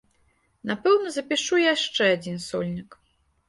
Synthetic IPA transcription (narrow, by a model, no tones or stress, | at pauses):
napɛwnɐzɐpʲiʂujaʂt͡ʂɛad͡zʲinsɔlʲnʲik